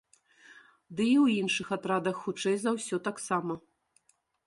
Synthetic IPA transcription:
d̪ɨiwinʂɨxat̪ɾad̪ɐxːut͡ʂɛjzawsʲɔt̪aksamɐ

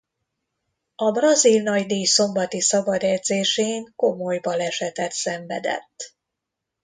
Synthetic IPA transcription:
ɒbrɒzilnɒɟd̪iːjso̞mbɒt̪isɒbɒd̪ɛd̪zeːʃeːŋko̞mo̞jbɒlɛʃɛt̪ɛt̪sɛɱvɛ̰d̪ɛ̰t̪ː

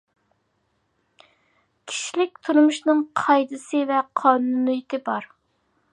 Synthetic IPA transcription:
kʲʰi̥ʃilɪk̚ʲt̪ʰuɾmuʃnɨŋqʰɑjd̪ɨsɨvɛqʰɑːnunɨjɪt̪ʰɪbɑɾ

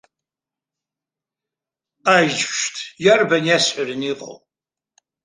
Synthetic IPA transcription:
ajd͡ʒʃtʰjarbanjasħʷarɨniqʼa̰w

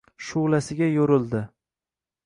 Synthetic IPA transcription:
ʃʊʁlasɪɡʲajoɾɪld̪ɪ

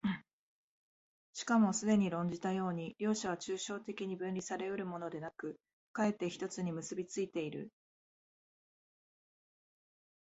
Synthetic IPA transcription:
ɕi̥kamo̞sɨd̪e̞ɲ̟iɾõ̞ɲ̟d͡ʑit̪ajo̞ːɲ̟iɾʲjo̞ːɕaβ̞at͡ɕɨːɕo̞ːt̪e̞kʲiɲ̟ibɯ̟̃nɾʲisaɾe̞ɯ̟ɾɯ̟mo̞no̞d̪e̞nakɯ̟ | kae̞t̪ːe̞çi̥t̪o̞t͡sɨɲ̟imɯ̟sɨbʲit͡sɨit̪e̞iɾɯ̟̰

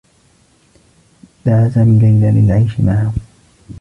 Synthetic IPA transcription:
d̪aʕazamɪlajlalɪ̰lʕajʃɪmaʕa

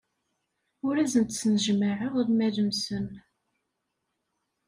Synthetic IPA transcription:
ʊɾæzənt̪snəʒmaʕəʁðmæləmsən

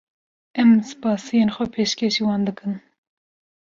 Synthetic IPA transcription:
ɛmsɨ̥pɑːsijeːnxʷɛpʰeːʃkʲʰeʃiwɑːnd̪ɨkʰɨn

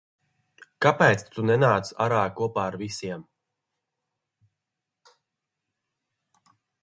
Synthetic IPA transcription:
kapɛːt̪st̪unɛnaːt̪sa̰ɾaːkuɔpaːaɾvisiɛm

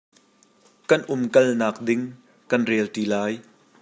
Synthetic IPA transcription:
kɐnʔʊmkɐlnaːk̚dɪŋ | kɐnrɛːlt̪ilaːj

